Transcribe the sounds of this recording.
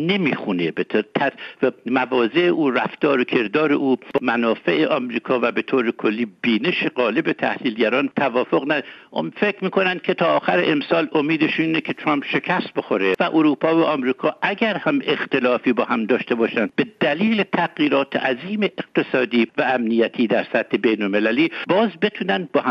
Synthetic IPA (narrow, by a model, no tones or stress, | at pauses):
ne̞miːxunebet̪ʰt̪ʰæmævɒːzeʔeʔuːræft̪ɒːɾokʰe̞ɾd̪ɒːɾe̞̰ʔuːb̥mænɒːfe̞ʔeʔɒmɾiːkʰɒːvæbet̪ʰoːɾekʰolːiːbiːne̞ʃeɢɒːle̞bet̪ʰæ̰hliːlɟæɾɒːnt̪ʰævɒːfoɣnæfekɾmiːko̞nænd̪̚kʰe̞t̪ʰɒːxæɾḛʔemsɒːlomiːd̪eʃiːnekʰet̪ʰɾɒmpʃe̞kʰæst̪̚bo̞xo̞ɾevæʔoɾuːpʰɒːvæʔɒmɾiːkʰɒːʔæɟæɾhæme̞xt̪e̞lɒːfiːbɒːhæmd̪ɒːʃt̪e̞bɒːʃænd̪̚be̞d̪æliːlet̪ʰæɣjiːɾɒːt̪ʰḛʔæziːmeʔeq̚t̪ʰe̞sɒːd̪iːvææmnijæt̪ʰiːd̪æɾsæt̪hebejnolme̞læliːbɒːzbe̞t̪ʰuːnænd̪̚bɒːh